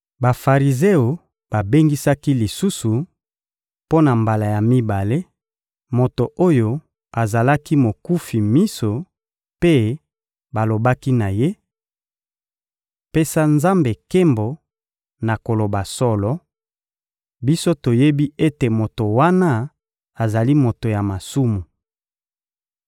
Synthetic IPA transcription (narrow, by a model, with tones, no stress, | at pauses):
ba˨fa˨ʁi˨ze˦o˨ | ba˨be˦ŋɡi˦sa˦ki˦li˨su˦su˨ | po˦na˨mba˨la˨ja˨mi˦ba˨le˦ | mo˨to˨ʔo˦jo˦ | a˨za˨la˦ki˦mo˨ku˦fi˨mi˦so˨ | pe˦ | ba˨lo˨ba˦ki˦na˨je˦ | pe˦sa˦nza˦mbe˨ke˦mbo˨ | na˨ko˨lo˨ba˨sɔ˦lɔ˦ | bi˦so˦to˨je˦bi˦e˦te˨mo˨to˨wa˦na˦ | a˨za˨li˦mo˨to˨ja˨ma˨su˦mu˨